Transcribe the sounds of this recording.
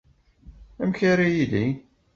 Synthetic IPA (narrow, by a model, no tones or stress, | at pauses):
æmçaɾijili